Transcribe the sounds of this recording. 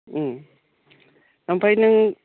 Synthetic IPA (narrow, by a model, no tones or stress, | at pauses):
nampʰajnɯŋ